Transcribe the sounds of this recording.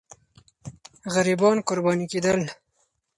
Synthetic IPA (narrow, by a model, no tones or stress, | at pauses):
ɣaɾibɑːnkʊɾbɑːnikeːd̪əl